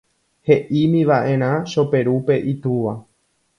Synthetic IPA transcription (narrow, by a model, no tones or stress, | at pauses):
he̞ʔimĩʋaʔẽ̞ɾ̃ãʃo̞pe̞ɾupe̞ʔit̪uʋa